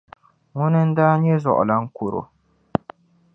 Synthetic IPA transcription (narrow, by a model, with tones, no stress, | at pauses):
ŋʊ˦nɨ˦n̩˦daː˦ɲɛ˦zɔ̰˨ʔʊ̰˨la˨ŋ̩˦kʊ˨ɾo̰˨